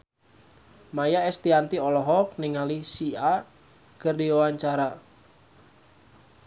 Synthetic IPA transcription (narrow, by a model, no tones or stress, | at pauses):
majaɛst̪iant̪iɔlɔɦɔk̚niŋalisia | kərdiɔwaɲt͡ʃaɾa